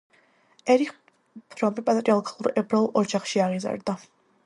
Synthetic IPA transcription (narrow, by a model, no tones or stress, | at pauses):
ɛɾiχ | pʰɾɔmipʼat̪ʼɾialˠkʰʼalˠuɾɛbɾalˠʔɔd͡ʒaχʃiaʁiza̰ɾd̪a